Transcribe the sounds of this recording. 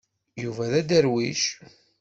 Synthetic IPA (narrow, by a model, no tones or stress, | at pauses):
juvæðæd̪əɾwiʃ